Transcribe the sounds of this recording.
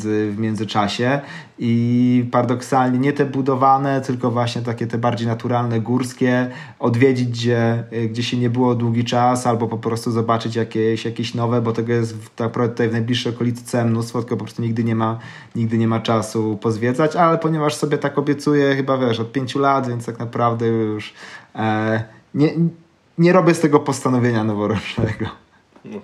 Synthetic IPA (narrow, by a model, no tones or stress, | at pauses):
zɘvmʲjɛnzɘt͡ʂaɕɛ | ipaɾad̪ɔksalɲɛɲɛt̪ɛbud̪ɔvanɛt̪ɘlkɔvwaɕɲɛt̪̬akʲɛt̪ɛbaɾd͡ʑejnat̪uɾalnɛɡuɾskʲɛ | ɔd̪vʲjed͡ʑid͡ʑzɛɡd͡ʑeɕɛɲɛbɘwɔd̪wuɡʲit͡ʂasalbɔpɔpɾɔst̪uzɔbat͡ʂɘt͡ɕjakʲeɕjakʲeɕnɔvɛbɔt̪ɛɡɔjɛst̪ːakpɾavdɛt̪ut̪ajvnajblʲiʂːɛjɔkɔlʲit̪t̪t̪sɛmnust̪fɔt̪kɔpɔpɾɔst̪uɲiɡd̪ɘɲɛma | ɲiɡ̚d̪ɘɲɛmat͡ʂasupɔzvʲjɛd̪zat͡ɕalɛpɔɲɛvaʂsɔbʲjɛt̪akɔbʲjɛt̪sujɛxɘbavʲjɛʂɔt̪̚pʲjeɲt͡ɕulat̪vʲjɛntst̪aknapɾavd̪ɛjuʂ | ɲɛ | ɲɛɾɔbʲjɛst̪ɛɡɔpɔst̪anɔvʲjeɲanɔvɔɾɔt͡ʂnɛɡɔ